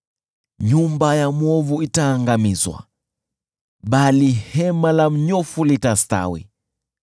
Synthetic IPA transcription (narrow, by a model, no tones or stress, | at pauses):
ɲumbajamwɔvuitaːŋɡamizwa̰ | ɓalihɛmalam̩ɲɔfulitasta̰wḭ